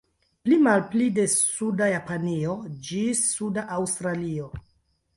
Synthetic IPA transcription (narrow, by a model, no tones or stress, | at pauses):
plimalplide̞sudajapaniod͡ʒisːudaʔawstɾalio